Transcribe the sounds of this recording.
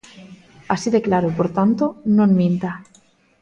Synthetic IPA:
asiðeklaɾopoɾt̪ant̪ononmĩnt̪a

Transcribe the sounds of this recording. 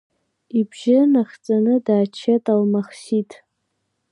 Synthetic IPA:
ibʒɪnaχt͡sʼanɨdaːt͡ʃʰatʼalmaχsitʰʼ

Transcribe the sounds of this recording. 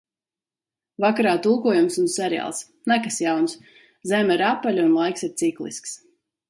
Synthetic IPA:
vakaɾaːt̪ulˠkuɔjumsunsʲɛɾʲia̰ːlˠs | nækasjawns | zɛmiɾapːalʲunlˠajksiɾt̪siklˠḭsks

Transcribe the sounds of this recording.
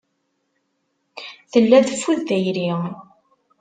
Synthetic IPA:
θəlːæðəfːuðːæjɾi

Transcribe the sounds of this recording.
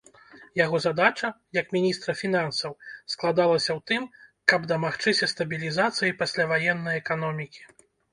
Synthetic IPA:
jaɣɔzad̪at͡ʂɐjɐkmʲinʲist̪ɾɐfʲinansɐwsklˠad̪alˠɐsʲɐwt̪ɨmkɐbd̪ɐmaxt͡ʂɨsʲɐst̪ɐbʲilʲizat̪sɨjijpasʲlʲavajɛnːɐjɛkanɔmʲikʲi̥

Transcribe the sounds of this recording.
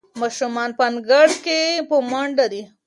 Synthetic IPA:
mɑʃumɑnpanɡaɽkepəmaɳɖad̪i

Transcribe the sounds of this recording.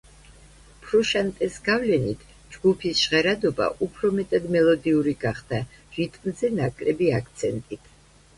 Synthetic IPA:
pʰɾuʃant̪ʼɛsɡ̥avlɛnit̪ʰ | d͡ʒɡupʰisʃʁɛɾad̪ɔba̰ʔupʰɾɔmɛt̪ʼad̪mɛlˠɔd̪iuɾiɡaχd̪̥a | ʒ̥it̪ʼnzɛnakʼlɛbiakʰt̪sʰɛnt̪ʼit̪ʰ

